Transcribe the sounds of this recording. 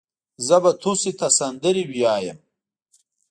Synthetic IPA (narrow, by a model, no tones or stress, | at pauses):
zɐbɐt̪ʰusit̪ɐsɐnd̪əɾibijaːjɐm